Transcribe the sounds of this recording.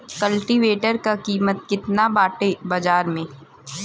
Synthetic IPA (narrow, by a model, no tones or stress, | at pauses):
kɐlʈiʋeːʈəɾkakiːmət̪̚kɪt̪nabaːʈebɐd͡ʒaːɾmẽː